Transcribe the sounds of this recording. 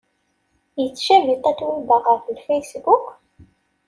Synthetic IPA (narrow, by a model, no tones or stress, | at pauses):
jət͡sːʃævit̪ˤːæt̪ːwubəʁəflfejsbuk